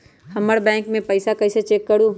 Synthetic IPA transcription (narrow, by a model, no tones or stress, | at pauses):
hɐməɽbɛ̃ːŋkmẽpɐɪsakɐɪset͡ʃeːkːɐɽuː